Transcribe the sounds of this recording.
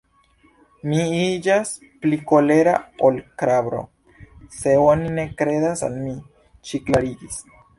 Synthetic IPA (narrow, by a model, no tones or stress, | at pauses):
miid͡ʒas | pliko̞le̞ɾa̰olkɾabɾo̞̰ | se̞onine̞kɾe̞d̪asa̰lmi | t͡ʃiklaɾiɡis